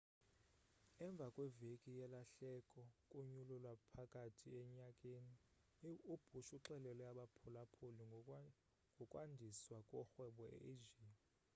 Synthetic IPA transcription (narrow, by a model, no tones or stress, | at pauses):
ɛɱb̪vʱakʼwɛvekʼijɛlaɬɛkʼɔkʼuɲululwapʰakʼatʰiɛɲakʼeni | ub̥ʱuʃuǁɛlɛlɛjaɓapʰɔlapʰoli | ŋɡʱɔkʼwandʱiswakʼɔxwɛɓɔɛ̰ʔed͡ʒiːn